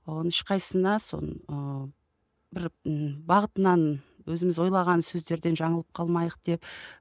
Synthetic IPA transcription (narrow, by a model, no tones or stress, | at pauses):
onɪʃqʰɑjsənɑso̞̰nə | bɪɾbɑʁət̪ənɑnwɵzɪmɪzwo̞jlˠɑʁɑnsɵzd̪e̞ɾd̪e̞nʒɑɴəlˠəp̚qʰɑlˠmɑjəq̚d̪̥e̞p